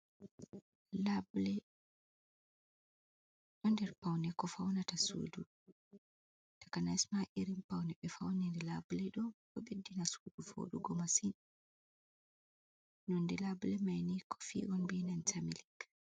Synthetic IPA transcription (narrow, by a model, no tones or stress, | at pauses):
lablɛ | ɗɔndɛɾpawnɛkɔfawnatasṵːdu | tḁkanaismaʔiɾimpawnɛɓɛfawniɾɛlablɛɗɔkɔɓedːinasudufo̰ːɗuɡɔmasin | nɔndɛlablɛmajnikʰɔ̥fḭːʔɔnbinantʰamilik